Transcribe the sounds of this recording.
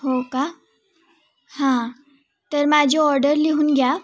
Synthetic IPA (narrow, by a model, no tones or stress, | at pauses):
ɦoka | hã | t̪əɾmad͡ʑʱiɔɾɖəɾliɦuːnɡja